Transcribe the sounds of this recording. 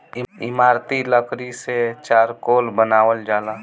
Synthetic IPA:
ɪ̰maːɾt̪iləkɾiset͡ʃaːɾkoːlbənaːwəld͡ʒaːlaː

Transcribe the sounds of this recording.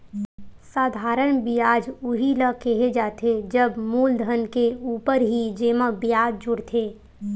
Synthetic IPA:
saːd̪ʱaːɾənbijaːd͡ʒuɦiləkeɦed͡ʒaːt̪ʰed͡ʒəbmuːld̪ʱənkeuːpəɾɦid͡ʒeːməbijaːd̚d͡ʒʊɽt̪ʰeː

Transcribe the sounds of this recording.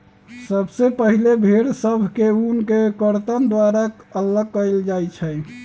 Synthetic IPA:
səbsepəɦilebʱeɽsəbʱkeunkekəɾt̪ənd̪waɾakələɡkəld͡ʒajt͡ʃʰɛj

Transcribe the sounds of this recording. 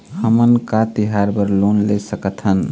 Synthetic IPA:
həmənkat̪iɦaɾbəɾlonlesəkət̪ʰɦən

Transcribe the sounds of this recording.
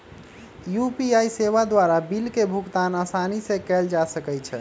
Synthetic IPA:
jupiajseβad̪waɾabilkebʱuɡt̪anasanisẽkɛld͡ʒasəkɛt͡ʃʰɛ

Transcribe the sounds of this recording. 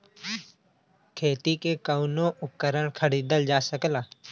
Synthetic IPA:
kʰeːt̪ikekəʊnõʔʊkːəɾəɽkʰəɽiːd̪əld͡ʒaːsəklaː

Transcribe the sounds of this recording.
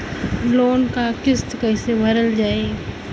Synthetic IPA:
loːnkakɪst̪kəɪsebʱəɾəld͡ʒaːe

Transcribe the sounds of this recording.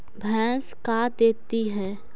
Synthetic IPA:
bʱɛ̃ːskad̪eːt̪iɦɛː

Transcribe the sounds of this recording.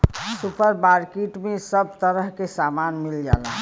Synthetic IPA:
supəɾmaɾkeʈmẽsəb̚t̪əɾəɦkesamanmild͡ʒa̰laɦ

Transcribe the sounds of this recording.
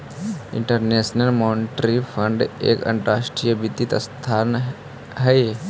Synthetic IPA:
ɪ̰̃ɳʈəɾneːsnəlmɔːnɪʈɾifʰə̃ɳɖḛːkə̰̃ɳʈɾaːʃʈɾijəbɪt̪it̪st̪ʰaːn | ɦɛe

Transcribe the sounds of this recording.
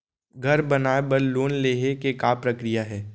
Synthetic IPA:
ɡʱɐɾbɐnaːebɐɾloːnleːɦekekaːpɾɐkɾijaɦɛː

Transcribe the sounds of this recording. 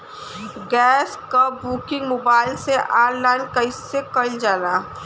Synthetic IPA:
ɡɛːskɐpːuːkɪ̃ŋɡmoːbaːɪlseʔaːɾlaːɪnkɐɪsekɐɪld͡ʒaːɾaː

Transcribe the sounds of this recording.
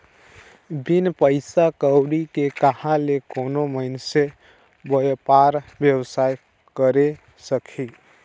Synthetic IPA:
binpəɪsakəwɽikekəhãlekonoməɪnse | bəjpaɾbjəwsaj | kəɾe | səkʰi

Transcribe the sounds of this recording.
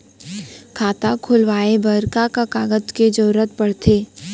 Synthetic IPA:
kʰaːt̪akʰʊlʋaːebəɾkakakaːɡət̪ked͡ʒəɾɾət̪̚pəɽ̤t̪eː

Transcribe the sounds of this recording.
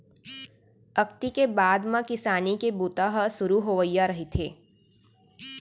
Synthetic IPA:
ɐkt̪ikebaːd̪mãkɪsaːnikebuːt̪aɦəsʊɾuɦoːʋəijaɾɐɦet̪ʰeː

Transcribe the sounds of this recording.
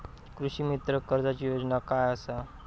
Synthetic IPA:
kɾuɕiːmit̪ɾəkəɾd͡zat͡ɕiːjod͡znakajəsa

